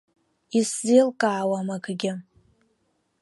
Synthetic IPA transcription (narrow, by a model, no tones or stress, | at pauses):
iszelkʼaːwamakʼʰɡʲɪ